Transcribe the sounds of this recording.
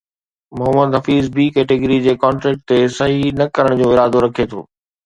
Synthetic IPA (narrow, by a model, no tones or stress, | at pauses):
mʊɦəməd̪ɦɐfiːzbiːkɛːʈɪɡɾid͡ʑeːkɔːɳʈɾɛːk̚ʈ̚t̪esɐɦinɐkɐɾəɽ̃d͡ʑõːɪɾaːd̪oɾɐkʰet̪ʰo̰ː